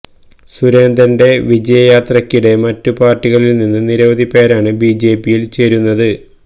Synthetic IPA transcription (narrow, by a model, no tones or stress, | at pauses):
suɾe̞ːnd̪ɐnde̞ʋid͡ʑɐjɐjaːt̪rɐkʲːiɽe̞mɐtːupaːrtːiɣɐɭilninːɨniɾɐʋɐd̪ʱipeːɾaːɳɨbiːd͡ʑe̞ːpːijilt͡ɕe̞ːɾunːɐðɨ